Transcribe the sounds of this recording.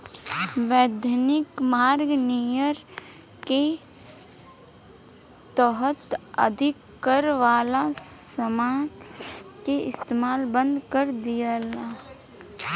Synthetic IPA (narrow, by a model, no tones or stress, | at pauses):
ʋɛːd̪ʱənɪkmaːɾɡnijəɾ | ke | t̪əɦət̪ə̰d̪ʱɪkːəɾʋaːlasəmaːnkeɪst̪eːmaːlbə̃nd̪ʱkəɾd̪ijeːlaː